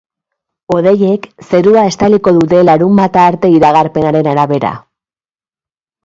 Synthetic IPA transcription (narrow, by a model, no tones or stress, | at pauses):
o̞ðe̞je̞kse̞ɾuae̞st̪aliko̞ðut̪e̞laɾumbat̪aːɾt̪e̞iɾaɣ̞aɾpe̞naɾe̞naɾaβe̞ɾa̰